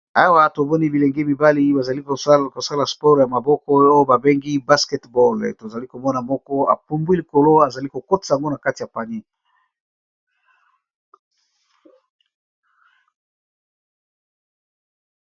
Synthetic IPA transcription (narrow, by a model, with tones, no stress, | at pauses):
a˦wa˦to˨mɔ˦ni˦bi˨le˨ŋɡe˦mi˨ba˦li˦ba˨za˨li˦kko˨sa˦la˨spɔ˦ʁja˨ma˨bɔ˦kɔ˦o˦jo˦ba˨be˦ŋɡi˦ba˦skɛ˦tbɔ˦˨lto˨za˨li˦ko˨mɔ˦na˨mɔ˦kɔ˦a̰˨pu˦mbwi˦li˨ko˨lo˦a˨za˨li˦ko˨ko˦ti̥˨sa˨a˨ŋɡo˦na˨ka˦ti˨a˨pa˨ni˦